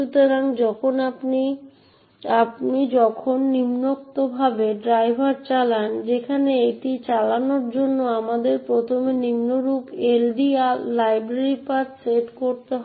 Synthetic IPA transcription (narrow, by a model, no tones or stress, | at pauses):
ut̪oɾaŋd͡ʑɔkʰonapni | apnid͡ʑɔkʰonːimnok̚t̪obʱabeɖɾajbʱaɾt͡ɕaland͡ʑekʰaneeʈit͡ɕalanoɾd͡ʑonːoamad̪eɾpɾot̪ʰomenimnoɾupelɖiaːajbɾeɾipatseʈkoɾt̪eɦɔ